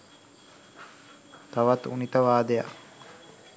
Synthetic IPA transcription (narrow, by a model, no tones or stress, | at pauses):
t̪aʋat̪ṵnit̪əʋaːd̪eja̰k